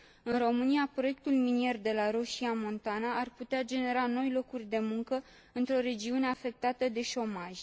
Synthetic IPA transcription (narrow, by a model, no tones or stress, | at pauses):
ɨnro̞mɨniapɾo̞je̞k̚t̪ulminie̞rd̪e̞laɾoʃiamo̞nt̪anaarput̪ead͡ʒe̞ne̞ɾano̞jlo̞kurʲd̪e̞muŋkə | ɨnt̪ɾo̞ɾe̞d͡ʒiune̞afe̞k̚t̪at̪əd̪e̞ʃo̞maʒʲ